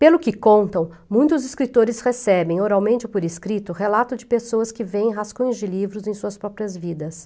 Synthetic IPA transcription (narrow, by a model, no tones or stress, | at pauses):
pelʊkɪkõnt̪ɐ̃w̃ | mũj̃t̪ʊzɪskɾit̪oɾɪshesɛbẽj̃oɾawmẽnt͡ʃɪpoɾiskɾit̪ʊhelat̪ʊd͡ʒɪpesoɐskɪvẽj̃ɦaskõj̃ʊzd͡ʒɪlivɾʊzẽj̃suɐspɾɔpɾiɐzvid̪ɐs